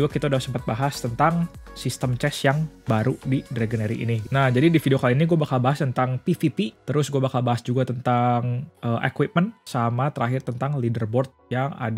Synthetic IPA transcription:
uɡakit̪audasəmpat̪̚baɦast̪ənt̪aŋsist̪əmt͡ʃɛsjaŋbaɾudidɾeɡəneɾḭʔḭninahd͡ʒadidifidiokaliniɡuabakalbaɦast̪ənt̪aŋpifipit̪əɾʊsɡuabakalbaɦasd͡ʒuɡat̪ənt̪aŋəʔekwit̪̚mənsamat̪əɾaɦɪrt̪ənt̪aŋlidərbɔrt̪̚jaŋa̰d

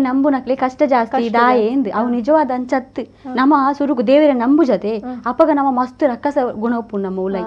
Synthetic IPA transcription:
nɐmbunɐklikɐʂʈɐd͡ʒaːst̪id̪aːjeːnd̪ɨʔɐʋunid͡ʒɐʋaːd̪ɐɐnt͡ʃɐt̪ːɨ | nɐmːɐsuɾukud̪eːʋiɾɐnɐmbud͡ʒɐt̪eɐpɐɡɐnɐmːɐmɐst̪uɾɐkːɐsɐɡuɳɐwpunnːɐmːɐulɐji

